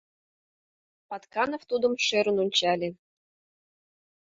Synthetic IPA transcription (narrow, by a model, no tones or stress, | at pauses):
pɑt̪kɑnoft̪ud̪ə̆mʃeɾə̆nunʲt͡ɕɑlʲe